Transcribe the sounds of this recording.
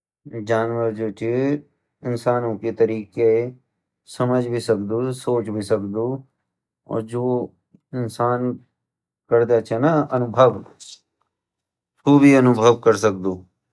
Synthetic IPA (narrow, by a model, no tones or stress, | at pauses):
d͡ʒaːnʋəɾd͡ʒoːt͡ʃʰi | ɪnsaːnõkit̪ɐɾiːkee | sɐməd͡ʒʱbʱisɐkd̪usoːt͡ʃbʱisɐkd̪u | ɔ̰ːɾd͡ʒoː | ɪnsaːn | kəɾd̪at͡ʃʰenaɐnʊbʱəʋ | t̪ʰuːbʱiɐnʊbʱəʋkəɾsək̚d̪uː